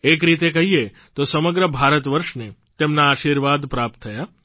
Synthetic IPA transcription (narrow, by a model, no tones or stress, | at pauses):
ek̬ɾit̪̬ek̬əɦie | t̪osəməɡɾəbʱaɾət̪ʋəɾʃnet̪emnaːʃiɾʋad̪pɾap̚t̪ʰːəja